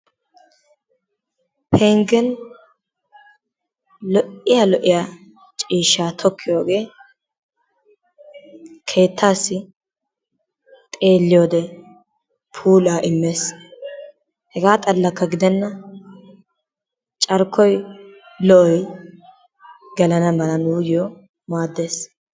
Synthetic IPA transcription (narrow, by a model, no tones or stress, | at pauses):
pʰeːŋɡɛn | lɔʔɪjalɔʔɪjaː | t͡ʃʼiːʃaːt̪ʰɔkʰːɪjoːɡe̞ː | kʰe̞ːt̪ʰːaːsːɪ | t̪ʼe̞ːlːɪjoːd̪ɛ | pʰuːlaːʔɪmːe̞ːs | hɛɡaːt̪ʼɐlːɐkːɐɡɪd̪ɛnːɐ | t͡ʃʼɐɾkːɔj | lɔʔɔj | ɡɐlɐnɐmɐlɐnuːjɪjo | maːd̪ːe̞ːs